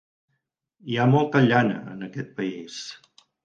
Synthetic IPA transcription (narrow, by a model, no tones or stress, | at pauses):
iamɔlˠt̪əʎanə̰ə̰nəkɛt̪̚pəis